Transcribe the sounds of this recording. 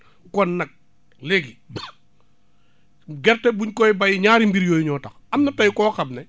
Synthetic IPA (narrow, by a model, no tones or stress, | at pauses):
kɔnːɐk̚ | leɡi | ɡɛɾtɛbuɲkɔjbɐjɲaːɾimbiɾjɔːjiɲɔːtɐxɐmnɐtɐjkɔːxɐmnɛ